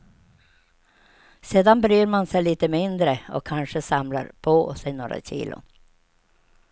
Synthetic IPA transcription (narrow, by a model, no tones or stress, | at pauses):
seːd̪anbɾyːɾmansɛjliːt̪əmɪnd̪ɾəɔ̰kʰːanʂəsamla̰ɾpʰosɛɪno̰ːɾa̰ɕḭːlʔʊ̰